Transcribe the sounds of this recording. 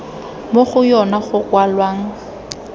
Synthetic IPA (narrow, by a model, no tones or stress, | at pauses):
moχʊjɔnaχʊwalwaːŋ̩